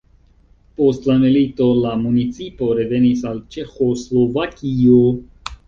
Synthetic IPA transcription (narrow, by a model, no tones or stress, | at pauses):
po̞stlamilito̞lamunit͡sipo̞ɾe̞ve̞nisalt͡ʃe̞xo̞slo̞vakio